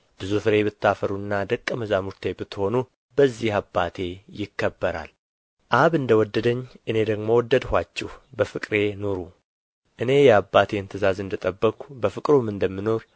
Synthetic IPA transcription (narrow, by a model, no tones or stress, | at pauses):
b̥ɨzufɨɾe̞bɨt̪ːafəɾuɨnːad̪əkʼːəməzamuɾt̪ʰe̞bɨt̪ːho̞nu | bəzːihabːat̪ʰe̞jɪkːəbːəɾa̰l | ʔaβɨnd̪əwɔd̪ːəd̪əɲːʔɨne̞d̪əɡmo̞wɔd̪ːəd̪hʷat͡ʃːɛhbəfɨkʼɾe̞no̞ɾu | ʔɨne̞jɛabːat̪ʰeɨnt̪ʰɨzazɨnd̪ət̪ʼəbːəkʷubəfɨkʼɾumɨnd̪əmːɨno̞ɾ